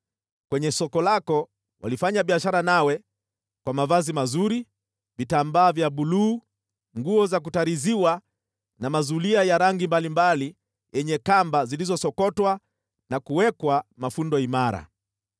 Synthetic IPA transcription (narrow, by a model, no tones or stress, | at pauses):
kwɛɲɛsɔkɔlakɔ | wa̰lifaɲaɓiaʃaɾanawɛ | kwamavazimazuɾi | vitambaːvjaɓuluː | ŋɡuɔzak̬utaɾiziwa | namazuliajaɾaŋɡimbalimbali | jɛɲɛkambazilizɔsɔkɔtwa | nakuwɛkwamafundɔimaɾa̰